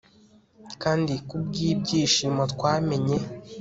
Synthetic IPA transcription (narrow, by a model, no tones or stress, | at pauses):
kaːndikubɡiːb̚ɟiːʃiːmatkwaːme̞ɲe̞